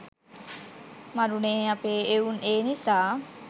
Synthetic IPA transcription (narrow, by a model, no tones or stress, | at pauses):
maɾuneapeːeuneːnisaː